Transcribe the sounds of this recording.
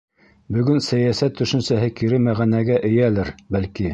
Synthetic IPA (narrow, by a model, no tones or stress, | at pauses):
bɵ̆ɡɵnsæjæsæt̪ːɵ̆ʃɘ̆nsæɦɘkiɾɘmæʁænæɡæʔɘ̆jælɘɾbælki